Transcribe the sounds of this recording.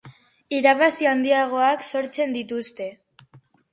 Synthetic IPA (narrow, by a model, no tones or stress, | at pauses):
iɾaβasiand̪iaɣ̞o̞akso̞ɾt͡se̞nd̪it̪ust̪e̞